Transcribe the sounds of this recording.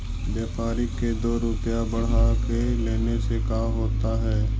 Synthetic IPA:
bjeːpaːɾɪkːed̪oːɾʊpjabɐɽɦakeleːnesekaːɦoːt̪aɦɛː

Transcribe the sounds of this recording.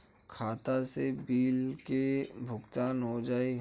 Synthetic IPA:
kʰaːt̪asebiːlkebʱʊɡt̪aːnɦod͡ʒaːi

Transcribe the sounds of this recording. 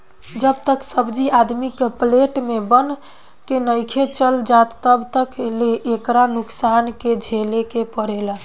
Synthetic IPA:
d͡ʒəbt̪əksəbd͡ʒiad̪mikpleʈmebən | kenəjkʰet͡ʃəld͡ʒat̪ːəbt̪əkleʔekɾanuksanked͡ʒʱelekepəɽel

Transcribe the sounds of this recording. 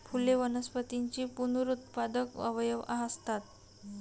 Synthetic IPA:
fʰuleʋənəspət̪iɲt͡ɕiːpunuɾut̪̚pad̪əkə̰ʋəjəʋaɦəst̪at̪

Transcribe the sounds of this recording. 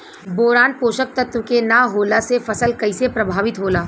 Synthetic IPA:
boːɾaːnpoːʃək̚t̪ɐt̪wəkenaɦoːlasefɐsəlkɐɪsepɾɐbʱaːʋɪt̪ɦoːlaː

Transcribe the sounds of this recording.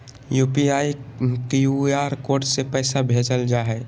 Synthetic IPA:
juːpiaːikjuaːɾkoːɾʈsepɛːsabʱeːd͡ʒəld͡ʒaːɦɛ

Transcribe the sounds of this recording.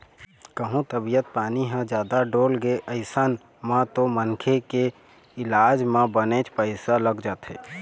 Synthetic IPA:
kəɦũt̪əbijət̪̚paːniɦə̃d͡ʒjaːd̪aɖoːlɡeʔəɪsan | mãt̪omənkʰeke | ɪlaːd͡ʒmãbənet͡ʃpəɪsaləɡd͡ʒaːt̪ɦɛ̰ː

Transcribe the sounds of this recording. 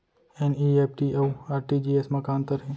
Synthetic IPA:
eniːeːp̚ʰʈiʔeaːɾʈid͡ʒiːesmɐkaːnt̪əɾɦẽː

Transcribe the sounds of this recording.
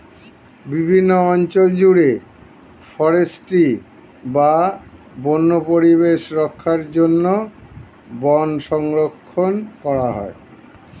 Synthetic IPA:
bibʱinːoɔnt͡ɕold͡ʑuɽe | fɔɾesʈi | ba | bonːopoɾiβeʃɾɔkʰːaɾd͡ʑonːo | bɔnʃɔŋɾokʰːonkɔɾaɦɔ̰e

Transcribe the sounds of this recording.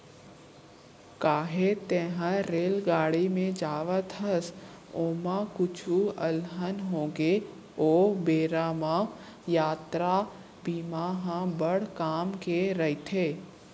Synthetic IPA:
kaːɦet̪eːɦə̃ɾeːlɡaːɽimẽd͡ʒaːʋət̪ʰəs | oːmakʊt͡ʃʰuəlɦənɦoːɡe | oːbeːɾaːmã | jaːt̪ɾa | biːmaːɦãbəɽkaːmkeɾɐit̪ʰeː

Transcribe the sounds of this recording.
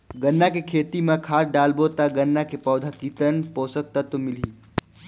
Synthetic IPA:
ɡənːakekʰeːt̪imekʰaːɖaːlbot̪aɡənːakepɔːd̪ʱakiːt̪ənpoːsək̚t̪ət̪omɪliː

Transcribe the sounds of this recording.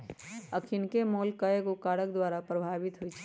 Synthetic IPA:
əkʰinkemolkəekokaɽək̚d̪waɾapɾəbʱabit̪ɦojt͡ʃʰɛ̥

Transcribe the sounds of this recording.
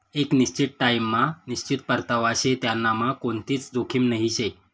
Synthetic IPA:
ekniɕt͡ɕiʈ̪̚ʈajmːaniɕt͡ɕit̪̚pəɾt̪əʋaɕet̪janːamakoɳt̪iːt͡sd̪okʰiːmnəɦiɕe

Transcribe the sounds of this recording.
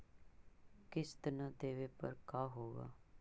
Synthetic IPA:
kɪst̪ənad̪eːʋeːpəɾkaːɦoːɡa̰ː

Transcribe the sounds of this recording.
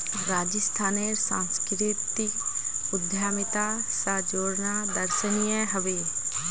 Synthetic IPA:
ɾaːd͡ʒəst̪ʰaːneɾsã̰ːnskɾit̪iʊd̪ʱjaːmɪt̪asad͡ʒoːɾnad̪ɐɾʃənijəɦəʋeː

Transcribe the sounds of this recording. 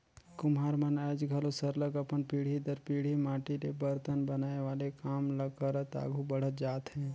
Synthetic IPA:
kʊmɦaːɾmənaːd͡ʒɡʱəlosəɾləɡəpənpiːɽ̤id̪əɾpiːɽ̤imaːʈiɾebəɾt̪ənbənaːeʋaːlekaːmləɡ̚kəɾət̪a̰ːɡʱubəɽ̤ət̪̚d͡ʒaːt̪ɦɛ̃ː

